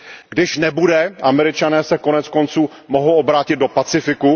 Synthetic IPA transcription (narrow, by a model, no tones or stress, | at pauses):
ɡdɪʃnɛbudɛʔamɛɾɪt͡ʃanɛːsɛkonɛt͡skont͡suː | moɦowʔobɾaːcɪt̪̚do̞pat͡sɪfɪku